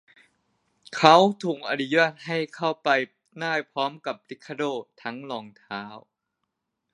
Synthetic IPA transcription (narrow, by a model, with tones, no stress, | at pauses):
kʰa˦˥wt̪ʰuː˨˩k̚ʔa˧nu˧jaː˥˩t̪̚ɦa˥˩jkʰa˥˩wpa˧j | naː˥˩jpʰɾɔː˦˥mka˨˩p̚li˦˥kʰːa˧˩doː˥˩t̪ʰa˦˥ŋlɔː˧˩ŋt̪ʰaː˦˥w